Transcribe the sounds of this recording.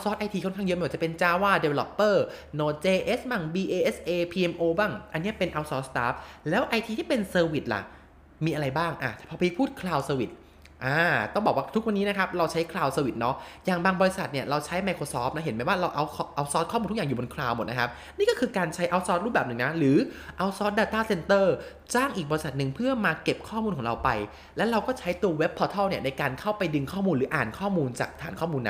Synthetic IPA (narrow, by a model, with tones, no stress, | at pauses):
ʔa˧sɔː˦˥t̪̚ʔa˧jt̪ʰiː˧kʰnkʰa˥˩jə˦ʔm˧˨˩t͡ɕpe˧nt͡ɕaː˧˩waː˥˩de˧wlɔ˦pːɤː˥˩ | noː˧˩t͡ɕeː˧ʔe˦˥sma˧˩ŋbiː˧ʔeː˧ʔe˦˥sʔeː˧pʰiː˧ʔe˧mʔoː˧baː˥˩ŋʔa˧nːi˦˥ɐpe˧nʔa˧wsɔː˦˥t̪̚st̪aː˦˥p̚lɛː˦˥wʔa˧jt̪ʰiː˧t̪ʰiː˥˩pe˧nsɤː˧wi˨˩t̪̚la̰˨˩ʔ | miː˧ʔa˧ɾa˧jbaː˥˩ŋʔa˨˩t̪ʰɛ˨˩pʰɔː˧pːpʰuː˥˩t̪̚kʰlaː˧wsəː˧wi˨˩t̪̚ | ʔaː˧t̪ɔ˥˩ŋbɔː˨˩kwa˥˩t̪ʰu˦˥k̚wa˧nːiː˦˥na˦kʰa˦˥p̚ɾa˧wt͡ɕʰa˦˥jkʰlaː˧wsəː˧wi˨˩t̪̚nɔ˦˥jaː˨˩ŋbaː˧ŋbɔː˧ɾi˧˥sa˨˩t̪̚ni˥˩ɐɾa˧wt͡ɕʰa˦˥jma˧jkʰoː˧sɔː˦˥p̚na˦˥ɦe˩˦nmaː˧˩waː˥˩ɾa˧wʔa˧wʰʔa˧wsɔː˦˥t̪̚ʰɔ˥˩muː˧nʰ˦˥jaː˨˩juː˨˩bo˧nkʰlaː˧wmo˨˩na˦kʰa˦˥p̚ | niː˥˩kɔː˥˩kʰɯː˧kaː˧nt͡ɕʰa˦˥jʔa˧wsɔː˦˥t̪̚ɾuː˥˩pbɛː˨˩nɯ˨˩ŋna˦˥ɾɯː˩˦ʔa˧wsɔ˦˥t̪̚daː˧t̪aː˥˩se˧nt̪ɤː˥˩ | t͡ɕaː˥˩ŋʔiː˨˩k̚bɔː˧ɾi˧sa˨˩t̪̚nɯ˨˩ŋpʰɯ˥˩ɐmaː˧ke˨˩p̚kʰɔː˥˩muː˧nkʰɔ˩˦ɾa˧wpa˧j | lɛ˦˥ɾa˧wkɔː˥˩t͡ɕʰa˦˥jt̪u˧ɐwe˦˥pʰːɔː˧t̪ʰɔ˥˩wni˥˩ɐna˧jkaː˧nkʰa˥˩wpa˧jdɯ˧ŋkʰɔː˥˩muː˧nɾɯː˩˦ʔa̰ː˨˩nkʰɔː˥˩muː˧nt͡ɕa̰ː˨˩k̚t̪ʰaː˩˦nkʰɔː˥˩muː˧nːa˦